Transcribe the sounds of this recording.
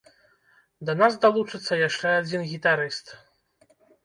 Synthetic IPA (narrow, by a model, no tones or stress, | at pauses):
d̪ɐnasd̪alˠut͡ʂɨt̪sːɐjaʂt͡ʂɛad͡zʲinɣʲit̪aɾɨst̪